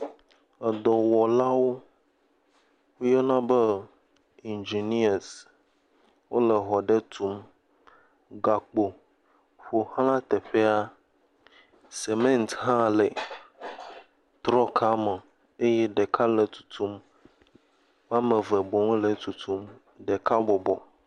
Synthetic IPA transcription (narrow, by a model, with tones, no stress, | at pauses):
ə˨d̪ɔ˨wɔ˨la˦wo˦ | wo˦jɔ˦nã˦bə˦ | i˨nd͡ʒi˨ni˦a˨s | wo˦lə˨ɦɔ˨ɖe˦t̪ʰu˦m | ɡa˨k͡po˨ | ɸo˨hlã˦t̪e˨ɸe˦a˦ | se˨mẽ˦nt̪ɦã˦le˨ | t̪ɾɔ˦kʰa˦mə˨ | e˦jɛ˦ɖe˨kʰa˦lə˨t̪u̥˨t̪ʰu˦m | m˦ã˦mə̃˨və˨bɔ˨ŋ˦lə˨t̪u˨t̪ʰu˦m | ɖe˨ka˦bɔ˨bɔ̰˨